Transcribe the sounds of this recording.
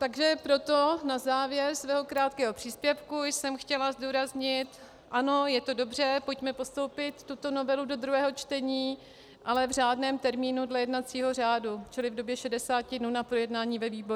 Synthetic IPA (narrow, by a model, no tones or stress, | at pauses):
t̪aɡʒɛpɾo̞t̪onazaːvjɛɾsvɛːɦo̞kɾaːt̪kɛːɦo̞pr̝̥iːspjɛfkujsɛmxcɛlazduːɾazɲɪt̪ | ʔano̞jɛt̪o̞do̞br̝ɛpocmɛpo̞st̪o̞wpɪt̪ːut̪o̞no̞vɛludo̞d̪ɾuɦɛːɦo̞t͡ʃt̪ɛɲiː | ʔalɛvr̝aːdnɛːmt̪ɛɾmiːnudlɛjɛdnat͡siːɦo̞r̝aːdut͡ʃɪlɪvdo̞bjɛʃɛdɛsaːcɪdnunapɾo̞jɛdnaːɲiːvɛviːbo̞ɾu